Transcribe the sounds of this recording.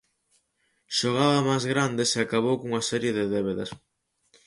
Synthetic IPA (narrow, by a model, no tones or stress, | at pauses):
ʃoɣaβɐmajzɣɾand̪eseakaβ̞owkoŋɐsɛɾjeðɪðɛβeðɐs